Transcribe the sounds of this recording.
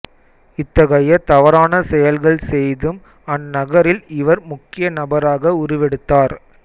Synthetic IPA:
ɪt̪ːɐɣɐjɐt̪ɐʋɐɾaːnɐsɛjɐlɣɐɭsɛjðɯm | ɐnːɐɣɐɾɪlɪʋɐɾmʊkːɪjɐnɐbɐɾaːɣɐʊɾʊʋɛɽɯt̪ːaːɾ

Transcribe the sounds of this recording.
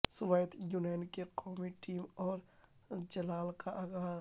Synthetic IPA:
sʊʋejt̪juːnaːnkeqɔːmiʈiːmɔːɾ | d͡ʒɐlaːlkaʔaːɡaː

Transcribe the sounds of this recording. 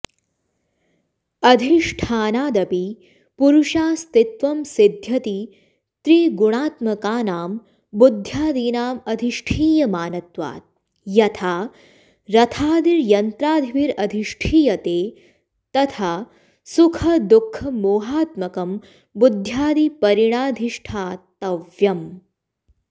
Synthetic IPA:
ɐd̪ʱiʂʈʰaːnaːd̪ɐpi | puɾuʃaːst̪it̪ʋɐmsid̪ʱjɐt̪i | t̪ɾiːɡuɽ̃aːt̪mɐkaːnaːm | bud̪ʱjaːd̪iːnaːmɐd̪ʱiʂʈʰiːjɐmaːnɐt̪ʋa̰ːt̪̚ | jɐt̪ʰaː | ɾɐt̪ʰaːd̪iɾjɐnt̪ɾaːd̪ʱiʋiɾɐd̪ʱiʂʈʰiːjɐt̪eː | t̪ɐt̪ʰaː | sukʰɐd̪ukʰːɐmoːɦaːt̪mɐkɐm | bud̪ʱjaːd̪ipɐɾiɽ̃aːd̪ʱiʂʈʰaːt̪ɐʋjɐm

